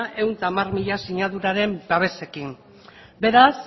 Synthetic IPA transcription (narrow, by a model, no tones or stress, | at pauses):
e̞wnt̪aːmarmiʎasiɲaðuɾaɾe̞mbaβ̞e̞se̞kin | be̞ɾas